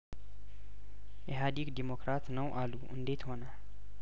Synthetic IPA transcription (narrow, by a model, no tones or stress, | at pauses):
ʔeɦad̪ikd̪emokɾat̪nəwʔalːuʔɨ̰nd̪e̞t̪ho̞nal